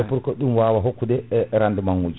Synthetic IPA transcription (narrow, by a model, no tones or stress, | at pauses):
ɛpuɾkɔɗumwaːwaɦokːudɛɾandɛmaŋwud͡ʒ